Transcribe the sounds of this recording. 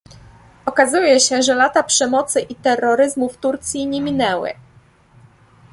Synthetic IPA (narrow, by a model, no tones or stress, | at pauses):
ɔkazujɛɕɛʐɛlat̪apʂɛmɔt̪sɘʔit̪ɛrːɔɾɘzmuft̪uɾt̪sʲjiɲɛmʲinɛwɘ̰